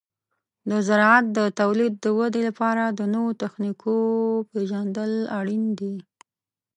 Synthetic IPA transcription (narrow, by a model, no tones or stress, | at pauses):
d̪əzaɾɑat̪̚d̪ət̪awlid̪̚ːəwad̪elapɑɾad̪ənəwot̪axnikʰopeʒand̪əlaɽind̪i